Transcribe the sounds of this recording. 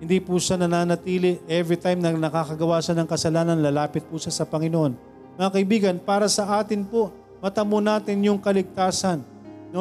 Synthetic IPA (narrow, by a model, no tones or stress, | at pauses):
hɪnd̪ipuʃanɐnaːnɐt̪iːlɪʔɛvɾit̪ajmnɐnɐkakɐɡɐwaːsɐnɐŋkɐsɐlaːnɐnlɐlaːpɪt̪̚pʊʃasɐpɐŋɪnoʔo̞n | mɐŋakɐʔɪbiːɡɐnpaːɾɐsɐʔaːt̪ɪnpo | mɐt̪ɐmonaːt̪ɪnjʊŋkɐlɪɡ̚t̪aːsɐnː | o